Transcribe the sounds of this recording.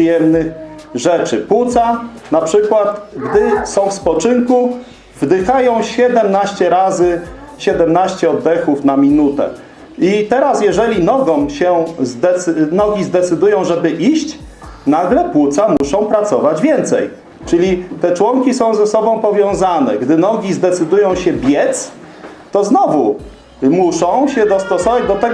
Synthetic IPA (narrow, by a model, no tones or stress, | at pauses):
jɛmnɘxʐɛt͡ʂɘpwut̪sanapʂɘkwat̪ɡd̪ɘsɔ̃w̃fspɔt͡ʂɘŋku | vd̪ɘxajɔ̃w̃ɕɛd̪ɛmnaɕt͡ɕɛɾazɘ | ɕɛd̪ɛmnaɕt͡ɕɛɔd̪ːɛxufnamʲinut̪ɛ̰ | it̪ɛɾasjɛʐɛlʲinɔɡɔ̃ɕɛzd̪ɛnɔɡʲizd̪ɛt̪sɘd̪ujɔ̃w̃ʐɛbɘʔiɕt͡ɕnaɡlɛpwut̪samuʂɔ̃w̃pɾat̪sɔvad͡ʑvʲjɛnt̪sɛ̰j | t͡ʂɘlʲit̪ɛt͡ʂwɔŋkʲisɔ̃w̃zɛsɔbɔ̃w̃pɔvʲjɔ̃w̃zanɛ̰ɡd̪ɘnɔɡʲizd̪ɛt̪sɘd̪ujɔ̃w̃ɕɛbʲjɛt̪s | t̪ɔznɔvu | muʂɔ̃w̃ɕɛd̪ɔst̪ɔsɔvad͡ʑd̪ɔt̪ɛɡ